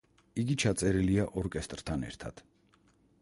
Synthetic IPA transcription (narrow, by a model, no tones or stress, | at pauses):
iɡit͡ʃʰat̪sʼɛɾiliaʔɔɾkʼɛst̪ʼɾt̪ʰanɛ̰ɾt̪ʰa̰d̪̥